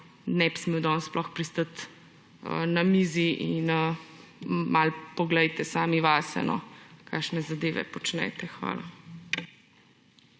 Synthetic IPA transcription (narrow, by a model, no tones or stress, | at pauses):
nɛpsmiwd̪ɔnsplʔɔxpɾist̪ət̪ | ə̰namiziʔinə | malpɔɡlɛjt̪ɛsaːmiʋaːsɛ̰nɔ̰kʰakʃnɛzad̪eːʋɛ̰pɔt͡ʃnɛ̰t̪ɛxʋa̰ːla̰